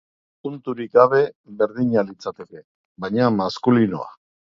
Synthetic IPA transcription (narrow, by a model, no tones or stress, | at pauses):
punt̪uɾik̚ɡaβ̞e̞βe̞ɾðiɲalit͡sat̪e̞ke̞ | βajɲamaskulino̰a̰